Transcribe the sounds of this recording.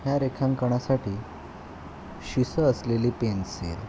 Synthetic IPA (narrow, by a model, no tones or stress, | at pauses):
ɦjaɾekʰãŋkəɳ̃asaʈiː | ɕisəəsleliːpensḛɾ